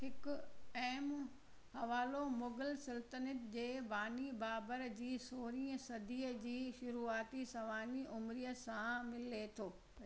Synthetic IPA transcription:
ɦɪkʊɛːm | hɐʋaːlomʊɡəlsɪlt̪ənɪt̪d͡ʑeːbaːnibaːbəɾd͡ʑiːsoːɾĩːə̃sɐd̪iːəd͡ʑiːʃʊɾuːaːt̪isɐʋaːniʔʊmɾiːəsãmɪlet̪ʰoː

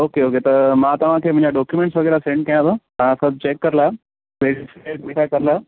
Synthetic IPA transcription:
oːkeoːket̪ɐmãːt̪ɐʋ̤ãkʰeːʋɐ̃ɲd͡ʑaɖɔːkjumẽɳʈsʋɐɡɛːɾasẽːɳʈ̚kɐjãt̪at̪ãsɐbʱt͡ɕeːkːɐɾlaː | ʋʱeːɽiseːʈmiʈʰakɐɾla

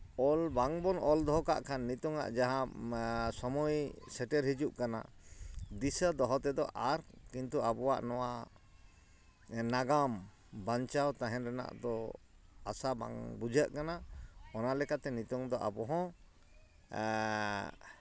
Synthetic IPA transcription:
ɔlbaŋbɔnɔld̪ɔɦɔka̰ʔkʰanːit̪ɔŋa̰ʔd͡ʒaɦã | sɔmɔjsɛʈɛɾɦid͡ʒuʔkana̰ | d̪isad̪ɔɦɔt̪ɛd̪ɔʔaɾkint̪uabɔwa̰ʔnɔwa | naɡam | baɲt͡ʃawt̪aɦɛ̃nɾɛna̰ʔd̪ɔ | asaba̰ŋbud͡ʒʱaʔkanaɔnalɛkat̪ɛnit̪ɔŋd̪ɔʔa̰bɔɦɔ̃

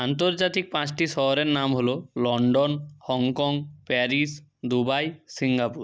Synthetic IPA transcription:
ant̪oɾd͡ʑat̪ik̚pãt͡ɕʈiʃɔɦoɾeɾnamɦololɔɳɖonhɔŋkɔŋpɛɾis | d̪ubajsiŋɡapuɾ

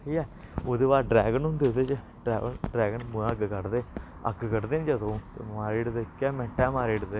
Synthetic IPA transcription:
ɦiːɛːoːd̪eːʋaːlɖɾɛːɡənɦʊ̃nd̪eːd̪eːt͡ʃə | ɖɾɛːəɖɾɛːɡənmʊ̃əɡkəɾd̪eː | ə̰ɡkəɾd̪eːnd͡ʒəd̪õːt̪ḛːmaːɾiːɖd̪ekːɛːmɛ̃ːʈɛːmaːɾiːɖd̪eː

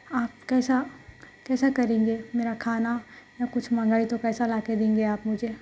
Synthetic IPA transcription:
aːp̚kɛːsa | kɛːsakɐɾẽːŋɡemeːɾakʰaːnajãkʊt͡ʃʰmɐ̃ŋɡaːit̪okɛːsalaːked̪ẽːŋɡeaːpmʊd͡ʒʱeː

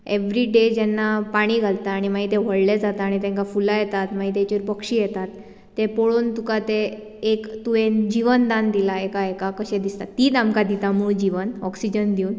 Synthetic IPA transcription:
eʋɾiɖed͡ʑɛnːapaɽ̃iːɡʱalt̪aːɽ̃imaɦit̪ẽʋ̤əɽled͡zat̪aːɽ̃it̪ɛ̃ŋkafulajɛt̪at̪maɦit̪ɛ̃t͡ɕiɾpəkʂijɛt̪at̪ː | epoɭont̪ukat̪eː | kt̪uend͡ʑiʋənd̪ãnd̪ilaekaekakəɕɛ̃d̪ist̪at̪ːiːt̪amkad̪it̪amuːɭd͡ʑiʋənɔksid͡ʑənd̪iuːn

